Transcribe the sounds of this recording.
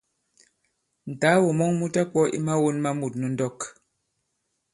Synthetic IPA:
n̩˨taː˨˦wɔ˨mɔ˦ŋmu˦ta˦kwɔ˦ʔḭ˦ma˦wo˦nma˦mu˨t̚nu˨n̩˦dɔ˦˨k

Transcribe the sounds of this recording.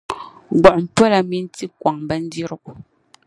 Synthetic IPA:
ɡ͡bɔ˨ʔm̩˨pwɔ˦la˨mi˦n̩˦ti˦kwa˨ŋbɛ˦n̩˦d͡zi˦ɾu˦k

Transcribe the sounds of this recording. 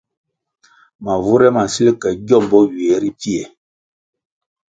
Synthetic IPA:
ma˨vu˦ɾɛ˦ma˨si˦li˦kɛ˨ɟɔ˦˨mbɔ˦ɥe˨˦ɾi˦pi˦ɛ˨

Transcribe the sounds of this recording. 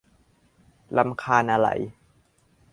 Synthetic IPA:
la˧mkʰaː˧nʔa˧ɾa̰˧˩˦j

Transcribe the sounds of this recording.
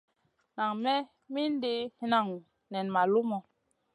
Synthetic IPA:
na˨ŋmɛ˦ | mi˦n˦di˦hi˦na˦˨ŋ˨ | nɛ˨nma˨lu˦mɔ˨

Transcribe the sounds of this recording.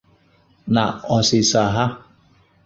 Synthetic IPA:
na˨ɔ˨sɪ˨sa˨ɦa˦

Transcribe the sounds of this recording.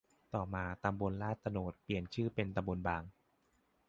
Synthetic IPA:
t̪ɔː˨˩maː˧t̪a˧mbo˧nlaː˥˩t̪ːa˧noː˨˩t̪̚pli˨˩ənt͡ɕʰɯː˥˩pe˧nt̪a˧mbo˧nbaː˧ŋ

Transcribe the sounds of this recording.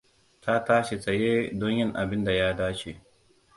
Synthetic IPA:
tʰa˦taː˦ʃe˨tɐ˨jeː˦dɔ˦ɲjɪ˦ŋʔa˨bɪ˦nda˨jaː˦daː˦t͡ʃe˨ʔ

